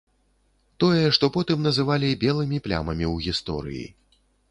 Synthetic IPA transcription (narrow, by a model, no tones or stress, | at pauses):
t̪ɔjɛʂt̪ɔpɔt̪ɨmnɐzɨvalʲibʲɛlˠɨmʲiplʲa̰mɐmʲiwɣʲist̪ɔ̰ɾɨ̰jḭ